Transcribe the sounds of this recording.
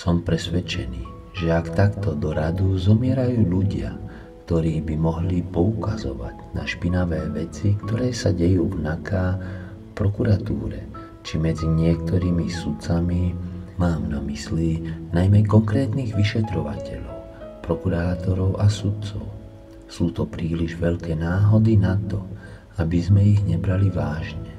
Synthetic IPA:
sɔmpɾɛsʋɛt͡ʃɛniː | ʒɛakt̪akt̪ɔd̪ɔɾad̪uzɔmɪɛɾajuːʎuɟɪa̰ | kt̪ɔɾiːbimɔɦlipɔukazɔ̰ʋa̰ɟna̰ʃpinaʋɛːʋɛt͡sikt̪ɔɾɛːsaɟɛjuːvnakaːfpɾɔkuɾat̪ṵːɾɛ | t͡ʃimɛd͡ziɲɪɛk̚t̪ɔɾiːmisut̪t͡samimaːmnamislinajmɛkɔŋkɾɛːt̪niːɣʋiʃɛt̪ɾɔʋa̰cɛ̰ʎɔʊpɾɔkuɾaːt̪ɔɾɔʊʔasut̪t͡sɔ̰ʊ | suːt̪ɔpɾiːliʒʋɛʎkɛːnaːɦɔd̪inat̪ɔ | abizmɛiɣɲɛbɾaliʋaːʒɲɛ

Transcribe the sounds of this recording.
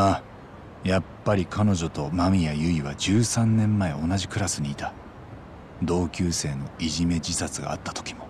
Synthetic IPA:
a | japːaɾʲikʰano̞ʑo̞t̪o̞mamʲijajɯ̟iβad͡ʑɨːsãnːẽ̞mːae̞o̞naʑikɯ̟ɾasɨɲ̟iːt̪a | d̪o̞ːkʲɨːse̞ːno̞iʑime̞d͡ʑisat͡sɨɡa̰ːt̪ːḁt̪o̥kʲi̥mo̞

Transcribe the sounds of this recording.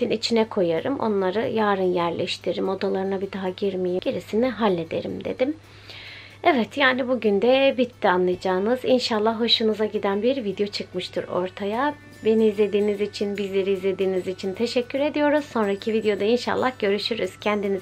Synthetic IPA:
init͡ʃʰinɛkʰo̞jaɾɯmʔo̞̰nlˠaɾɯjaːɾɯnjæɾlʲɛʃt̪ʰiɾɾimo̞d̪alˠaɾɯnabid̪aɦaɟiɾmijiɟiɾisiniɦalʲːe̞d̪e̞̰ɾḭmd̪e̞̰d̪im | ɛvɛt̪jaːnibuɟynd̪ɛbit̪ʰːianlˠajad͡ʒaːɯnɯz̥inʃalˠːahɦo̞ʃɯnɯzaɟid̪ænbiɾvid̪jo̞t͡ʃʰɯkmɯʃt̪ʰɯɾo̞̰ɾt̪ʰaja | be̞niːzlʲe̞d̪iːnizit͡ʃʰinbizlʲe̞ɾiːzlʲe̞d̪iːnizit͡ʃʰint̪ʰe̞ʃɛcːyɾe̞d̪ijo̞ɾuz̥so̞nɾaicʰivid̪jo̞d̪ainʃa̰lˠːahɟø̞ɾyʃyɾyz̥cʰænd̪ini

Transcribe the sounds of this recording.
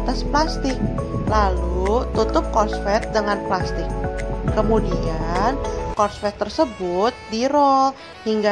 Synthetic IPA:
t̪asplast̪ɪk̚ | lalut̪ut̪ʊp̚kɔrsfɛt̪̚dəŋanplast̪ɪk̚ːəmudiankɔrsfɛt̪ːərsəbʊt̪̚diɾɔl | hiŋɡa

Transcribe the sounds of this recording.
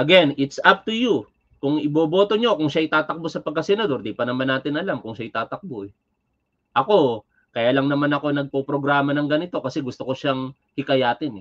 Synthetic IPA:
ʔɐɡɛnɪt̪sap̚t̪uju | kʊŋɪboːbo̞ːt̪o̞ɲo̞kʊŋʃaʔɪt̪aːt̪ɐk̚bosɐpɐɡ̚kɐsɛnɐd̪o̞ɾd̪ipɐnɐmanːaːt̪ɪnʔɐlamkʊŋʃaʔɪt̪aːt̪ɐk̚boʔɛ | ʔɐko̞ | kɐjaːlɐŋnɐmanɐko̞nɐɡ̚popɾo̞ɡɾaːmɐnɐŋɡɐnɪt̪o̞kɐsɛɡʊst̪o̞ko̞ʃaŋ | hɪkɐjaːt̪ɪnɛ

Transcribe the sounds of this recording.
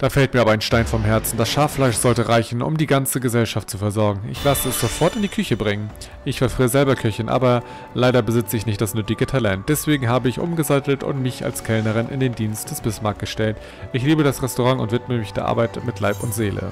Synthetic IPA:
d̥aːfɛlt̚miːɐabɐaɪnʃtaɪnfɔmɦɛɐt͡sn̩d̥asʃaɐflaɪʃz̥ɔltəʁaɪçn̩ʔʊ̰mdiːɡant͡səɡəzɛlʃaft̚t͡sufɛɐzɔɐɡŋ̩ʔɪ̰çlasəɛsz̥ofɔɐtɪndiːkʰʏçəbʁɪŋən | ʔɪçfɛɐfʁ̥iːəzɛlbɐkʰœçənʔa̰ːbɐ | laɪɾɐbəzɪt͡səɪçnɪçt̚d̥asnʏtɪɡətʰalɛnt̚d̥ɛsv̥eːɡŋ̩ɦaːbəɪçʔʊ̰mɡəzatl̩tʊ̰ntmɪça̰lskʰɛlnəʁɪnʔɪ̰ndeːmdiːnst̚d̥ɛsb̥ɪsmaɐk̚ɡ̥əʃtɛlt | ʔɪçliːbədasʁɛstoʁaŋʊ̰ntvɪtməmɪçd̥eːɐʔa̰ɐbaɪtmɪtʰlaɪpʊntz̥eːlə̰

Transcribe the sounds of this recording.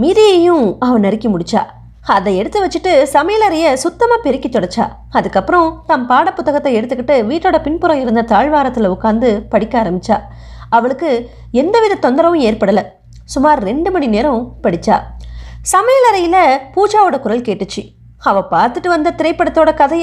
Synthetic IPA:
miːðɪjɐjʊ̃ɐʋɐ̃nɐɾɪkːɐmʊɽɪt͡ʃːa̰ː | ɐðɐɛɽɯt̪ːɯʋɐt͡ʃːɯʈːɯsɐmejɐlɐɾɐjɐsʊt̪ːɐmaːpɛɾɪkːit̪ːɔɽɐt͡ʃːa̰ː | ɐðɯkːɐpːɯɾɔ̃t̪ɐmpaːɽɐpːʊt̪ːɐɣɐt̪ːɐɛɽɯt̪ːɯkːɪʈːɯʋiːʈːoːɽɐpɪnpʊɾɐ̃ɪɾɯnd̪ɐt̪aːɻʋaːɾɐt̪ːɪlɐʊkːaːnd̪ɯpɐɽɪkːaːɾɐmbɪt͡ʃːaː | ɐʋɐɭɯkːɯ | ɛnd̪ɐʋɪðɐt̪ːɔnd̪ɐɾɐʋʊ̃eːɾpɐɽɐlɐ | sʊmaːɾɾɛɳɖɯmɐnineːɾɐ̃pɐɽɪt͡ʃːa̰ːsɐmɐjlɐɾɐjɪlɐpuːd͡ʒaːʋɯɽɐkʊɾɐlkeːʈːɯt͡ʃːɯ | ɐʋɐ̃paːɾt̪ɯʈːɯʋɐnd̪ɐt̪ɪɾɐɪpːɐɽɐt̪ːoːɽɐkɐðɐj

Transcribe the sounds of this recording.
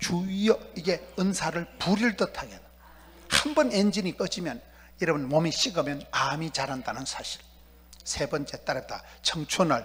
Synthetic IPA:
t͡ɕuijʌiɡe̞ɯnsʰaɾɯɭpuɾiɭdɯtʰaɡet̚ | hambʌnend͡ʑinik͈ʌd͡ʑimjʌn | jʌɾʌbɯnmomiɕ͈ʰiɡʌmjʌnamit͡ɕaɾɦandanɯnsʰaɕʰi̥ɭ | sʰe̞bʌnt͡ɕ͈e̞t͈aɾʌp̚t͈a | t͡ɕʰʌŋt͡ɕʰonɯɭ

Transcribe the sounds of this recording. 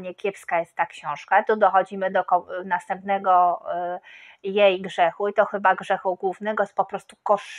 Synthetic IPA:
ɲɛkʲjɛpskajɛst̪ːakɕɔ̃w̃ʂkat̪ud̪ɔxɔd͡ʑimɘd̪ɔkɔnast̪ɛmpn̪ɛɡɔ | jejɡʐɛxuit̪ɔxɘbaɡʐɛxuɡwuvnɛɡɔspɔpɾɔst̪ukɔʂ

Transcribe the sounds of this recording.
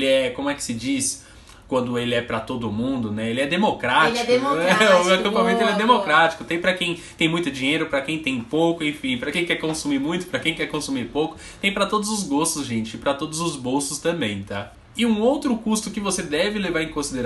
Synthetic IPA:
lɪɛkõmʊɛkɪ̥sɪd͡ʒis | kwɐ̃nd̪ʊelɪɛpɾɐt̪od̪ʊʊmũd̪ʊnɛelɪɛd̪emokɾat͡ʃlɛd̪emoakɐ̃mpãmẽnt̪ʊelɛd̪emokɾat͡ʃi̥kʊt̪ẽj̃pɾɐkẽj̃t̪ẽj̃mũj̃t̪ʊd͡ʒĩɲejɾʊpɾɐkẽj̃t̪ẽj̃powkʊẽfĩpɾɐkẽj̃kɛɾkõsumiɾmũj̃t̪ʊ̥pɾɐkẽj̃kɛɾkõsumiɾpowkʊ̥ | t̪ẽj̃pɾɐt̪od̪ʊzʊzɡost̪ʊzʒẽt͡ʃɪpɾɐt̪od̪ʊzʊzbowsʊst̪ɐ̃mbẽj̃t̪a | ɪũowt̪ɾʊkust̪ʊkɪvosed̪ɛvɪlevaɾẽj̃kõsid̪eɾ

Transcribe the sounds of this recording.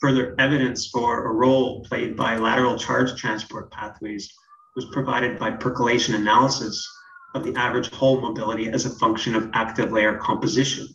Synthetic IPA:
fɜ˞ðə˞ɛvɨɾɨ̃nsfə˞ə̰ɹoʊlˠpʰl̥eɪd̚ba̰ɪlæ̰ɾə˞l̩ˠt͡ʃʰɑ̰ɹd̥ʒ̥tʰɹ̥æ̃nspʰɔɹt̚pʰæθweɪz̥ | wʌz̥pʰɹ̥ɨvaɪɾɨd̚baɪpʰɜ˞kəleɪʃɨ̃nɨnælˠəsɨs | ʌvðiʔævɹɨd̥ʒ̥hoʊlˠmoʊbɪlˠəɾiɨzɨfʌ̃ŋkʃɨ̃nʌvʔæk̚tɨvleɪə˞kʰɑ̃mpɨzɪʃɨ̰̃n

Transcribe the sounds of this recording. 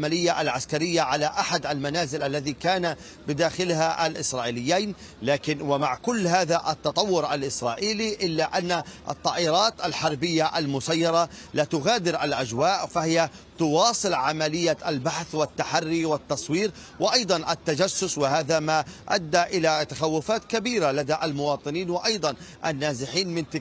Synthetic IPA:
malɪjːaʔalʕaskaɾɪjːaʕalaʔaħad̪ʔalmanaːzɪlʔalːaðikaːna | bɪd̪aːxɪlhaʔa̰lʔɪsɾˤɑːʔiːlɪjːaːn | laːkɪnwɪmaʕkʊlːɦaːðaʔɑt̪ːɑt̪ˤɑwːʊɾʔalʔɪsɾˤɑːʔiːliʔɪlːaʔanːaʔɑ̰t̪ˤːɑːʔɪɾˤɑːt̪ʔalħɑɾˤbɪjːaʔalmʊsajːɑɾˤɑlaːt̪ʊɣaːd̪ɪɾʔalʔad͡ʒwaːʔfahɪja | t̪ʊwɑːsˤɨlʕamalɪjːaʔalbaħθwɪt̪ːaħarːiwɪt̪ːɑsˤwiːɾ | wɪʔɑjd̪ˤɑnʔat̪ːad͡ʒasːʊswɪhaːðamaʔad̪ːaʔɪlat̪axawːʊfaːt̪kabiːɾalad̪aʔalmʊwɑːt̪ˤɨniːnwɪʔɑjd̪ˤɑnʔa̰nːaːzɪħiːnmɪnt̪ɪ

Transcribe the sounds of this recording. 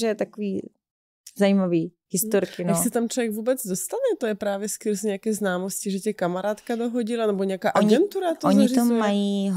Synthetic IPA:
ʒɛt̪akoviː | zaimaviː | hɪst̪oɾkɪnaksɛt̪amt̪lɛvjɛɡvuːbɛd͡zdost̪anɛt̪ojɛpɾaːvjɛskɨɾzɲɛakɛːznaːmoscɪʒɛcɛkamaɾaːt̪kadoɦoɟɪlanɛboɲɛjakaːʔaoɲɡɛnt̪uɾat̪oɲɪʒt̪oɛajiːɦ

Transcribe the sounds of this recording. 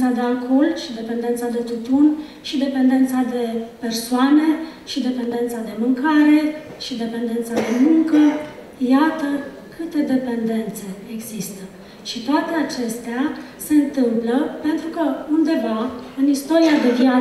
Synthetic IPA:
ad̪eakʰo̞lʃid̪e̞pe̞nd̪ent̪sad̪e̞t̪ut̪un | ʃid̪e̞pe̞nd̪e̞nt̪sad̪e̞pe̞rsoane̞ʃid̪e̞pe̞nd̪e̞nt̪sad̪e̞mɨŋkaɾe̞ʃid̪e̞pe̞nd̪e̞nt̪sad̪e̞muŋkə | jat̪ə | kɨt̪e̞d̪e̞pe̞nd̪e̞nt̪se̞ːɡz̥ist̪ə | ʃit̪oat̪e̞at͡ʃe̞st̪ea | se̞ɨnt̪ɨmpləpe̞nt̪ɾukəund̪e̞vaɨnist̪o̞ɾiad̪evia

